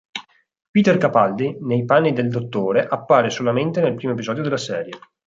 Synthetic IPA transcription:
piːt̪erkapald̪inejpanːid̪eld̪ot̪ːoːɾeʔapːaːɾesolament̪enelpɾiːmoepizɔːd̪jod̪elːasɛːɾje

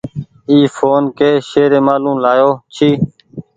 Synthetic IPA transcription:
iːfoːnkeːʃeːɾeːmaːlũːlaːjoːt͡ʃʰiː

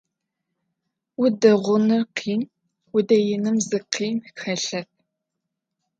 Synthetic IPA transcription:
wʊdɐʁʷʊnɨrqʰiːn | wʊdɐjɪnɨmzɨqʰiːnxɐɬɐp̚

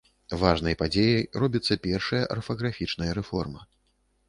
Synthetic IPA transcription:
vaʐnɐjpad͡zʲejɐjrɔbʲit̪sːɐpʲɛrʂɐjɐʔɐrfɐɣɾafʲit͡ʂnɐjɐɾɛfɔrmɐ

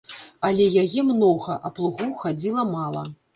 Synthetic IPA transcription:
ɐlʲɛjajɛmnɔɣɐʔɐplˠuɣuxad͡zʲilˠɐmalˠɐ̰

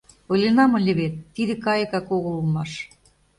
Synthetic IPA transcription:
ɤ̆lʲenɑmɤlʲɘ̆βet̪ːid̪ĕkɑjɤ̆kɑkoɣə̆lˠmɑʃ

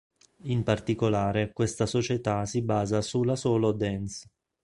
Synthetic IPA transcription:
impart̪ikolaːɾekwest̪asot͡ʃet̪asibaːzasulːasɔːlod̪ɛns

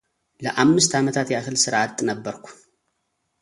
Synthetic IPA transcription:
ləʔamːɨst̪ʰamət̪ʰat̪jahɨlsɨɾʔat̪ʼːnɐbːəɾkʷʰu̥

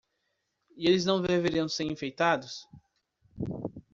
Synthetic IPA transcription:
ielɪznɐ̃w̃veveɾiɐ̃w̃seɾĩfejt̪ad̪ʊs

